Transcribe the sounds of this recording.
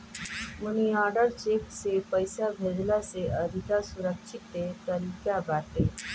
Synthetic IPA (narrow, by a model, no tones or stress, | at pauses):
məɳ̃ijɔɖəɾt͡ɕeksepəjsabʱedlaseəd̪ʱit̪asuɾəkʃit̪ːet̪əɾikjabat̪e